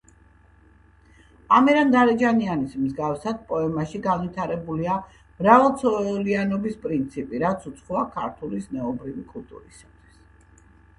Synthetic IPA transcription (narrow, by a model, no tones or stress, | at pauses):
amiɾand̪aɾɛd͡ʒanianismzɡafsad̪̥̚pʼɔɛmaʃiɡanvit̪ʰaɾɛbulia | mɾavalˠt̪sʰɔlianɔbispʼɾint̪sʰipʼiɾat̪sʰut̪sʰχɔakʰa̰ɾt̪ʰulisnɛɔbɾivikʼulˠt̪ʼṵɾḭsat̪ʰwi̥s